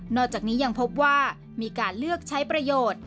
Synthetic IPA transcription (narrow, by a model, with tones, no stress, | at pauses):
nɔː˥˩k̚t͡ɕaː˨˩k̚niː˦˥ja˧ŋpʰo˦˥p̚waː˥˩ | miː˧kaː˧nlɯ˥˩ək̚t͡ɕʰa˦˥jpɾa˧joː˨˩t̪̚